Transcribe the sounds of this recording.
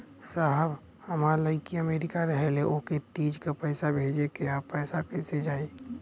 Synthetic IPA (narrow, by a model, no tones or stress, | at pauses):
saɦəb | həmaləɪkiəmeɾɪkaɾəɦeleʔoket̪id͡ʒkepəɪsabʱed͡ʒekeapɛɪsapesed͡ʒaːi